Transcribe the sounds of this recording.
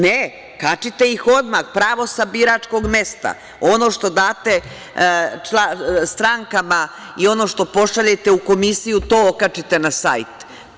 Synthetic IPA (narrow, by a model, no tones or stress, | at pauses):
ne | kat͡ʃit̪e̞ixo̞d̪maxpɾaːʋo̞sabiɾat͡ʃko̞ɡme̞st̪a̰ | o̞no̞ːʃt̪o̞d̪aːt̪e̞ | t͡ʃlast̪ɾaŋkama | io̞no̞ʃt̪o̞po̞ʂaʎet̪e̞uko̞misijut̪o̞ːokat͡ʃit̪e̞nasa̰jt̪